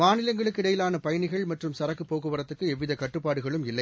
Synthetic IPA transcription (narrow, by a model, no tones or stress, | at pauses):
maːnɪlɐŋɡɐɭɯkːɪɽɐjɪlaːnɐpɐjɐnɪɣɐɭmɐʈrɯmsɐɾɐkːɯpːoːɣɯʋɐɾɐt̪ːɯkːɯɛʋɪðɐkɐʈrɯpːaːɽɯɣɐɭɯmɪlːɐɪ